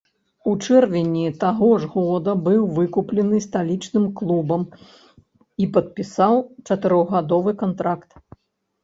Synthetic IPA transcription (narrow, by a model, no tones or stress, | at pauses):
ut͡ʂɛrvʲɛnʲit̪aɣɔʐɣɔd̪ɐbɨwvɨkuplʲɛnɨst̪alʲit͡ʂnɨmklˠubɐm | ipɐt̪̚pʲisawt͡ʂɐt̪ɨɾɔɣɣad̪ɔvɨkant̪ɾakt̪